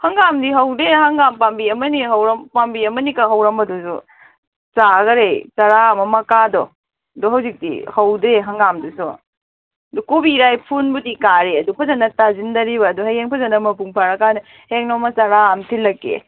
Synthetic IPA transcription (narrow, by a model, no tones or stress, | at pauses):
hɐŋɡamdiɦɐwdɾeɦɐŋɡampambiɐmɐniɦɐwɾɐmpambiɐmɐnikaɦɐwɾɐmbɐdusṵ | t͡ʃaɡɐɾejtɐɾaɐmɐmɐkadɔ | dɔɦɐwzik̚dḭhɐwdɾeɦɐŋɡamdusṵ | ɐdukobiɾajpʰunbudikaɾeɐdupʰɐzɐnːɐtazindɐɾibɐːduɦɐjeŋpʰɐzɐnːɐmɐpuŋpʰaɾɐkadi | heŋnɔmɐtɐɾaɐmtʰilːɐkːḛ